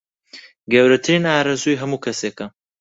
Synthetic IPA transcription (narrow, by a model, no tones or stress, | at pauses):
ɡɐwɾɐt̪ʰɨɾiːnaːɾɐzuːjɦɐmuːkʰɐseːkɐ